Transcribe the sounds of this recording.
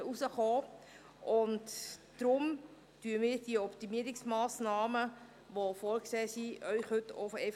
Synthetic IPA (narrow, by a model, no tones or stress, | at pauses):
usəχoː | ʔʊntd̥ɾʊm | tyːəmɪːɾd̥iəɔptimiəɾiksmaːsnaːmə | ʋofɔːɾkseːsiʔœʏχhɵto̰fɛɪ